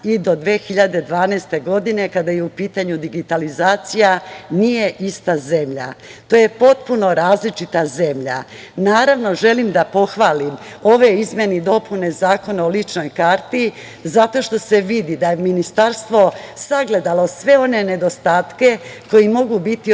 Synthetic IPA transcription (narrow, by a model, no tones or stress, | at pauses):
id̪o̞d̪ʋeːxiʎad̪e̞d̪ʋaːnɛːst̪e̞ɡo̞d̪ine̞kad̪ajeupiːt̪aɲud̪iɡit̪alizaːt̪sijanije̞ʔist̪aze̞mʎa̰t̪o̞ːje̞po̞t̪̚puno̞ɾaːzlit͡ʂit̪aze̞mʎa̰ | naːɾaʋno̞ʒe̞limd̪apo̞xʋaːlimo̞ʋe̞izmje̞nid̪o̞pʰune̞zaːko̞neolit͡ʃno̞jkaːɾt̪i | zat̪o̞ʃt̪o̞se̞ʋid̪id̪ajeminist̪aɾst̪ʋo̞saɡle̞d̪alo̞sʋe̞o̞ne̞ne̞d̪o̞st̪aːt̪ke̞ko̞jimo̞ɡubit̪i